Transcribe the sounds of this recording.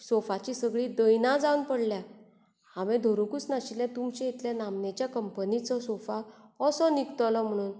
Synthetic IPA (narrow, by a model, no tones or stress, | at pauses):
sɔfat͡ɕisəɡɭiːd̪əjnãd͡zaunpəɽlja | aʋed̪ʱoɾokut͡snaɕiljɛ̃t̪umt͡ɕẽit̪ljanamnet͡ɕjakəmpənit͡sɔsɔfaɔsɔnikt̪lɔm̤əɽ̃uːn